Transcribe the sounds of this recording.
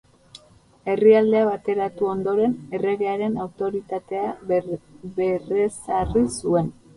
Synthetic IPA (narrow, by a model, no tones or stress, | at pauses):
e̞riald̪e̞aβat̪e̞ɾat̪uo̞nd̪o̞ɾe̞ne̞re̞ɣe̞aɾe̞nawt̪o̞ɾit̪at̪e̞a | βe̞resarisue̞n